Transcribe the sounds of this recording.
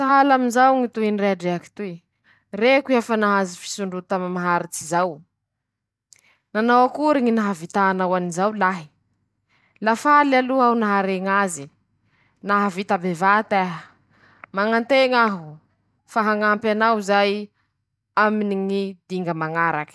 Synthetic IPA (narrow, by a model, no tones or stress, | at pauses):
t̪aɦalaminzawŋit̪uɦinireaɖ͡ʐeaki̥t̪ui | rekiafanaɦazifi̥suɳɖ͡ʐut̪amimaɦaɾit͡sizaw | nanawakuɾiŋinaɦavit̪aːnawanizawlaɦi̥ | lafalaluaunaɦaɾeŋazi | naɦavit̪abevat̪aɦə | maŋant̪eŋaɦu | faɦaŋampanawzaj | aminiŋid̪iŋɡəmaŋaɾakə̥